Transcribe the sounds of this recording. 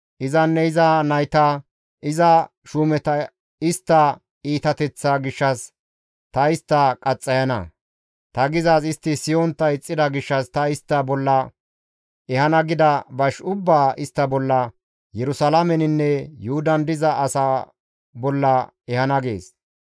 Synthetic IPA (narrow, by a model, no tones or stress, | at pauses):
ʔɪzɐnːɛɪzɐnɐjt̪a | ɪzɐ | ʃuːmɛt̪ɐ | ɪst̪ːɐ | iːt̪ɐt̪ɛt͡sːaɡɪʃːɐs | t̪ɐɪst̪ːɐkʼɐt͡sʼːɐjɐnɐ̰ | t̪ɐɡɪzasɪst̪ːɪsɪjɔnt̪ːɐɪt͡sʼːɪd̪ɐɡɪʃːɐst̪ɐɪst̪ːɐbɔlːɐ | ɛhɐnɐɡɪd̪ɐbɐʃʊbːaːɪst̪ːɐbɔlːɐ | jɛɾʊsɐlamɛnɪnːɛjʊhʊd̪ɐnd̪ɪzɐʔːsa | bɔlːɐ | ɛhɐnɐɡḛːs